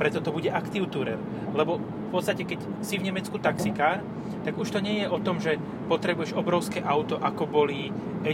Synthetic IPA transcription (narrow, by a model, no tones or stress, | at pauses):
pɾɛt͡sɔt̪ɔbuɟɛʔakt̪iʊt̪uɾɛ̰l | lɛbɔ | fpɔt̪t͡sst̪acɛkɛc | sivɲɛmɛt͡skut̪aksikaːɾ | t̪aɡuʃt̪ɔɲɛjɛʔɔt̪ɔmʒɛ | pɔt̪ɾɛbujɛʒɔbɾɔʊskɛːʔaʊt̪ɔʔakɔbɔli | ɛ